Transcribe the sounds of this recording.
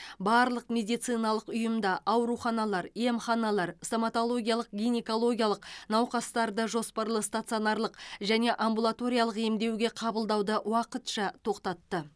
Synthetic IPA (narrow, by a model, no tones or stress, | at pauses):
bɑɾlˠəqmʲe̞d̪ijt̪sɨjnɑlˠəqʊjəmd̪ɑʔɑwɾuχɑnɑlˠɑɾje̞mχɑnɑlˠɑɾst̪omat̪o̞lˠo̞ɡʲijɑlˠəq̚ɡʲijneko̞lˠo̞ɡʲijalˠəqnɑwqɑst̪ɑɾd̪əʒo̞spɑɾlˠəst̪at̪sio̞nɑɾlˠəqʒæne̞ʔambulˠat̪o̞ɾʲijalˠəqe̞md̪e̞wɡʲe̞qʰɑbəlˠd̪ɑwd̪əwɑqət̪ʃɑt̪ʰo̞qt̪ɑt̪ːə